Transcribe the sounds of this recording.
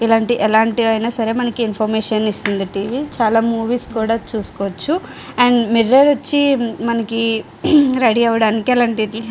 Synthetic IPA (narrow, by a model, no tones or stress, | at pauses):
ilaːɳʈiʔɛlaːɳʈiɐjnaːsɐɾe̞mɐnɐkiːnpʰɐɾmeːʂɐnist̪und̪iʈiːʋiːt͡ʃaːlaːmuːʋiːskuːɽaːt͡ʃuːsu̥kɔːʋɐt͡ʃːu | ɛɳɖmiɾːeːɾɐt͡ʃːimɐnɐki | ɾeːɽiɐʋɐɽaːnikɛlaːɳʈi